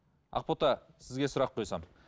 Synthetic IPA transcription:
ɑ̰q̚pot̪ɑ | sɪzɡʲe̞sʊɾɑqʰːo̞jsɑm

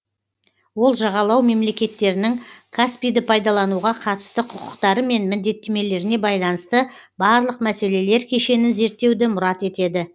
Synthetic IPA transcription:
wo̞lˠʒɑʁɑlˠɑwme̞mle̞kʲe̞t̪ːe̞ɾɪnɪŋkʰaspijd̪ɪpʰɑjd̪ɑlˠɑnuʁɑqʰɑt̪ə̥st̪əqʰʊqʊ̥qt̪ɑɾəme̞nmɪnd̪e̞t̪ːe̞me̞le̞ɾɪne̞bɑjlˠɑnəst̪ə | bɑɾlˠəqmæse̞le̞le̞ɾkʲʰe̞ʃe̞nɪnze̞ɾt̪ːe̞wd̪ɪmʊɾɑt̪e̞t̪e̞d̪ɪ

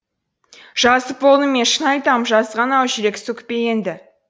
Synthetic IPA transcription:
ʒ̥ɑsəp̚bo̞lˠnəme̞nʃənɑjt̪ɑmʒɑzʁɑnɑwʒɪɾe̞ksɵkʲpe̞je̞nd̪ɪ

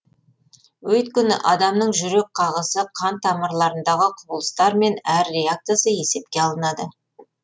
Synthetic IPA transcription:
wɵt̪̚kʲɪnɪ̰ʔɑd̪ɑmnəɴʒʏɾe̞k̚qʰɑʁəsəqʰɑnt̪ʰːɑməɾlˠɑɾənd̪ɑʁəqʰʊbəlˠəst̪ɑɾme̞næɾːe̞ak̚t̪ijasəje̞se̞p̚kʲe̞ɑlˠənɑd̪ə

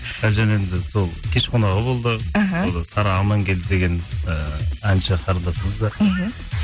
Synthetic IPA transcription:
æʒæne̞nd̪ɪso̞lˠkʲʰe̞ʃqʰonɑʁəbo̞lˠd̪əɦolˠd̪ɑsɑɾɑəmːɑŋkʲʰe̞ld̪ɪd̪e̞ɡʲe̞nəænʃɪqʰɑɾld̪ɑsəɴəzd̪ɑɾ

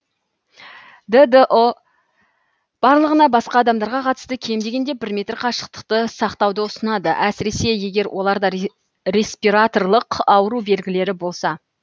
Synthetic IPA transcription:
d̪əd̪əʔo | b̥ɑɾlˠəʁənɑbɑsqɑːd̪ɑmd̪ɑɾʁɑqʰɑt̪əst̪əkʲʰe̞md̪e̞ɡʲe̞nd̪ebɪɾmʲe̞t̪rqʰɑʃə̥qt̪ə̥qt̪əsɑqt̪ɑwd̪əʊsənɑd̪əʔæsɪɾe̞se̞je̞ɡʲe̞ɾwʔo̞lˠɑɾd̪ɑ | ɾe̞spiɾat̪o̞rlˠəqɑwəɾube̞lɡʲɪle̞ɾɪbo̞lˠsɑ

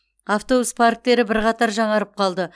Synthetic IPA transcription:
aft̪o̞buspʰaɾk̚t̪e̞ɾɪbɪɾqɑt̪ɑɾʒɑɴɑɾəp̚qʰɑlˠd̪ə

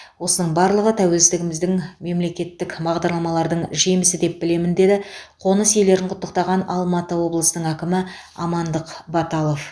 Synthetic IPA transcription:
wo̞sənəɴbɑɾlˠəʁət̪ʰæwe̞lst̪ɪɡʲɪmɪzd̪ɪŋme̞mle̞kʲe̞t̪ːɪkbɑʁd̪ɑɾlˠɑmɑlˠɑɾd̪əɴʒe̞jmɪsɪd̪e̞p̚bɪle̞mɪnd̪e̞d̪ɪqʰo̞nəsje̞jle̞ɾɪɴqʰʊt̪ːəq̚t̪ɑʁɑnɑlˠmɑt̪əwo̞blˠəsənəɴækʲɪmɪ | ɑmɑnd̪əqbɑt̪ɑlˠo̞f

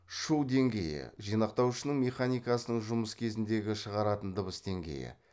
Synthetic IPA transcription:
ʃuwd̪e̞ŋɡʲe̞jɪ̰ʒijnɑq̚t̪ɑwʃənəɴmʲe̞χanijkɑsənəɴʒʊməskʲʰe̞zɪnd̪e̞ɡʲɪʃəʁɑɾɑt̪ənd̪əβəsd̪e̞ŋɡʲe̞̰jɪ̰

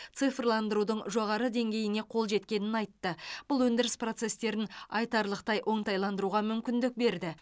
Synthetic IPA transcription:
tt̪sɨfrlˠɑnd̪əɾud̪əɴʒo̞ʁɑɾəd̪e̞ŋɡʲe̞jɪne̞qʰo̞lˠʒe̞t̪kʲe̞nɪnɑjt̪ːəb̥ʊlˠwɵnd̪ɪɾɪspro̞t̪se̞st̪e̞ɾɪnɑjt̪ɑɾlˠəqt̪ɑjʔo̞ɴt̪ɑjlˠɑnd̪əɾuʁɑmʏmkʲɪnd̪ɪk̚be̞ɾd̪ɪ

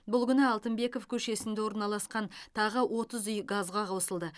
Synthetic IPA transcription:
bʊlˠɡʲʏnɪɑlˠt̪əmbe̞ko̞fkʲʰɵʃe̞sɪnd̪ewo̞ɾnɑlˠɑsqɑnt̪ʰɑʁəwʔo̞t̪əzʏjɡazʁɑqʰɑwsəlˠd̪ə

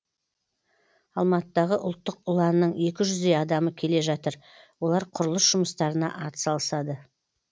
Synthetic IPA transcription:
ɑlˠmɑt̪əd̪ɑʁəʔʊlˠt̪ːəqʊlˠɑnːəɴje̞kʲɪʒʏzd̪e̞jɑd̪ɑməkʲʰe̞le̞ʒɑt̪əɾ | wo̞lˠɑɾqʰʊɾəlˠəsʒ̥ʊməst̪ɑɾənɑ̰ʔɑɾt̪ə̥sɑlˠəsɑd̪ə

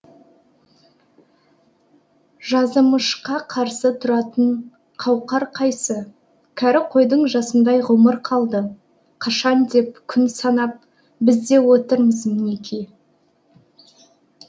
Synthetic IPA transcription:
ʒɑzəməʃqɑqʰɑɾsət̪ʰʊɾɑt̪əɴ | qʰɑwqɑɾqʰɑjsə | kʲʰæɾɪqʰo̞jd̪əɴʒɑsənd̪ɑjʁʊməɾqʰɑlˠd̪ə | qʰɑʃɑnd̪e̞p̚kʲʰʏnsɑnɑp̚ | bɪzd̪e̞wot̪əɾməzmɪnekʲʰej

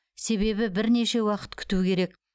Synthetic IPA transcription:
se̞βe̞bɪbɪɾne̞ʃe̞wɑqə̥t̪kʲʰʏ̥t̪ukʲʰe̞ɾe̞k

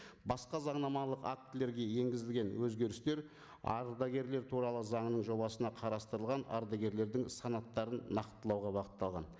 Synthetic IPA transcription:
bɑsqɑzɑɴnɑmɑnlˠəqa̰k̚t̪ːɪle̞ɾɡʲe̞je̞ŋɡʲɪzɪlɡʲe̞nwɵzɡʲe̞ɾɪst̪e̞ɾ | ɑ̰ɾd̪ɑɡʲe̞ɾle̞ɾt̪ʰuɾɑlˠəzɑɴənəɴʒo̞bɑsənɑqʰɑɾɑst̪əɾəlˠʁɑnɑ̰ɾd̪aɡʲe̞ɾle̞ɾd̪ɪŋsɑnɑt̪ːɑɾənːɑqt̪ːəlˠɑwʁɑbɑqə̥t̪ːɑlˠʁɑn

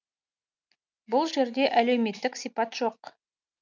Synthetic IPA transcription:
bʊlˠʒe̞ɾd̪e̞ʔæle̞wme̞t̪ːɪksijpɑt̪ʒ̥o̞q

